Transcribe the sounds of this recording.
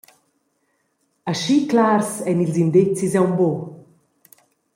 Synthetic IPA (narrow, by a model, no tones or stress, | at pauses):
aʃiklaɾsɛnilzind̪et͡sizɛwmbo